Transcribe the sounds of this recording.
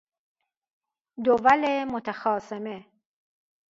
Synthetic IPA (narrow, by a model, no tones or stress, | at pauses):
d̪ovalemʊt̪axɑːseme